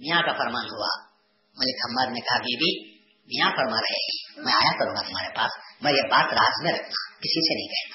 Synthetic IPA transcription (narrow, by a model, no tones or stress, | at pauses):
mijãkafʰəɾmaːnɦua̰ | mɐlɪkʰəmːaːd̪nekɐɦabibʱi | mĩjãpəɾmãːɾɐɦeɦɛ̃mɛ̃aːjakəɾũːŋɡat̪ʊmaːɾepaːsmɛ̃jebaːt̪ɾaːzmẽɾɐkʰna̰kɪsisenɐɦĩkɛɦt̪a